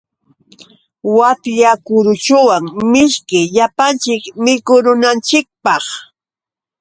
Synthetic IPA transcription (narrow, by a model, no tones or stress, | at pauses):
wat̪ʎakʊɾʊt͡ʃʊwaŋmɪʃkɪʎapant͡ʃɪkmɪkʊɾʊnant͡ʃɪk̚pɑχ